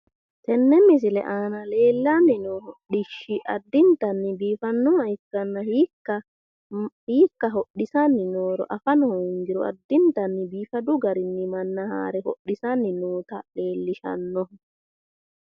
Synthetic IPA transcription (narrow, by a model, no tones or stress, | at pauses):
t̪ɛnːɛmɪs̬ɪlɛ̰ʔaːnɐle̞ːlːanːɪnoɦɔɗɪʃːɪʔɐd̪ːɪnt̪ɐnːɪbiːfɐnːʊɐjɪkːɐnːɐhikːɐ | hiːkːɐɦɔɗɪsanːɪnoːɾɔ̰ʔɐfɐnɔhɔjŋɡɪɾɔɐ̰d̪ːɪnt̪ɐnːɪbiːfɐd̪ʊɡɐɾɪnːɪmɐnːɐha̰ːɾɛhɔ̰ɗːɪsanːɪnuːt̪ɐleːlːɪʃɐ̰nːɔ